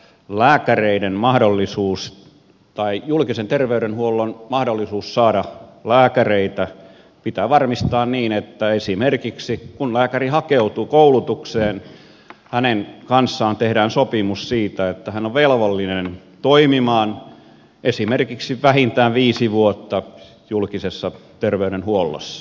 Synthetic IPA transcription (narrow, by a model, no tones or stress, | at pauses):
læːkæreidenmɑhdolːisuːs | t̪ɑijulkisent̪erʋeyɾenhuolːonmɑhdolːisuːssɑːɾɑlæːkæreit̪æ | pit̪æːʋɑrmist̪ɑːnniːnet̪ːæesimerkiksikunlæːkærihɑkeut̪uːkoulut̪ukseːn | hænenkɑnsːɑːnt̪ehdæːnsopimussiːt̪æet̪ːæhænoʋʋelʋolːinen | t̪oimimɑːn | ʔesimerkiksiʋæhint̪æːʋʋiːsiʋuot̪ːɑ | julkisesːɑt̪erʋeyɾenhuolːo̰sːɑ̥